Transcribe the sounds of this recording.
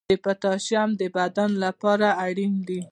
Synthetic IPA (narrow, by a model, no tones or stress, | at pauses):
əpat̪ɑʃjamd̪əbad̪anlapɑɾaːɽind̪i